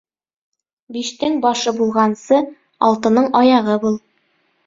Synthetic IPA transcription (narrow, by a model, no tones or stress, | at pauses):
biʃt̪ɘŋbɒʃɤbulˠʁɑnsɤ | ɒlˠt̪ɤ̆nɤɴɒjɑʁɤbulˠ